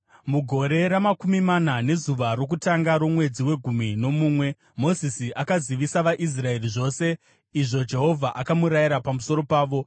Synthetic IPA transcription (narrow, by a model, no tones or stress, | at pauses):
muɡʱo̞ɾe̞ɾamakumimanane̞zuʋaɾo̞k̬utaŋɡaɾo̞mwe̞d͡ziwe̞ɡʱumino̞muːmwe̞ | mo̞zisiʔakaziʋisaʋaʔis̬rae̞riʐo̞ːse̞ | iʐo̞d͡ʒe̞ɦo̞vʱaʔakamuɾajiɾapamuso̞ɾo̞paːʋo̞